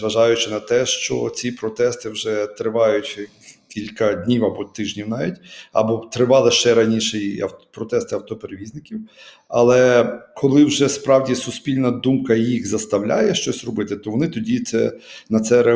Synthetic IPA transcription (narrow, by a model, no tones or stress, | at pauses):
ʋɐʒɑjʊt͡ʃɪnɐt̪ɛʃt͡ʃɔ̰t͡sʲipɾɔt̪ɛst̪ɪwʒɛt̪ɾɪʋɑjʊtʲ | kʲilʲkɐdʲnʲiwɐbɔt̪ɪʒnʲiwnɑʋʲitʲɐ̰bɔt̪ɾɪʋɑlˠɪʃt͡ʃɛɾɐnʲiʃɛiɐ̰wpɾɔt̪ɛst̪ɪɐwt̪ɔpeɾeʋʲiznɪkʲiw | ɐlˠɛkʰɔlˠɪwʒɛspɾɑwdʲisʊsʲpʲilʲnɐd̪umkɐjixzɐst̪ɐwlʲa̰jɛʃt͡ʃɔsʲrɔbɪt̪ɪt̪ɔʋɔnɪt̪ɔdʲit̪sɛ̰nɐt̪sɛɾe